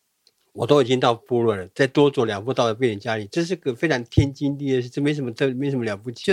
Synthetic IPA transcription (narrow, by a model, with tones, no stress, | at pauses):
wɔ˨˩t̪o˥ʊ˨i˨˩t͡ɕi˥ŋt̪ɑ˥˧ʊpu˥˧lwə˥˩nlə˩t͡sa˥˩ɪt̪wɔ˥t͡swɔ˧˥ljɑ˨˩ŋpu˥˧t̪ɑ˥˩ʊd̪ə˩p̬je˥˩nɻə˧˥nt͡ɕja˥li˨˩ʈ͡ʂɤ˥˧ʂ̬ɻ̩˥˩˥ə˧˩fe˥ɪʈ͡ʂʰɑ˧˥ŋt̪ʰjɛ˥nt͡ɕi˥nt̪i˥˩ə˧˩ʂɻ̩˥˧ʈ͡ʂɤ˥˩m˧˥˧ʂə˧˥mə˧t̪ʰə˥˩m˧˥˧ʂə˧˥m˧ljɑ˨˩ʊp̬u˥˩t͡ɕ